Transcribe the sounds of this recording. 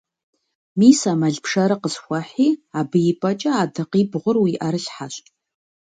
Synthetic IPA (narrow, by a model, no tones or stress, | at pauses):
miːsaːmɐɮpʂɐɾɨqəzxʷɐħiːabɨjɪpʼɐt͡ʃʼɐaːdɨqiːbʁʷʊrwiʔɐɾɨɬħaɕʼ